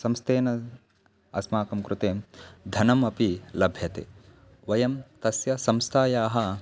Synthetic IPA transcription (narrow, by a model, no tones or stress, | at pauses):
sɐmst̪eːnɐ | ɐ̰smaːkɐmkɾut̪eːmd̪ʱɐnɐmɐpilɐbʱjɐt̪ḛː | ʋɐjɐmt̪ɐsjɐsɐmst̪ʰaːjaːɦɐ